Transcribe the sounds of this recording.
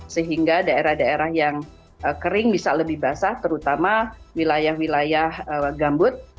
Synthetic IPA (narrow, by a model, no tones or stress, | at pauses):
səɦiŋɡadaeɾahdaeɾahjaŋ | əkəɾɪŋbisaləbɪhbasat̪əɾut̪amawilajahwilajahəɡambʊt̪̚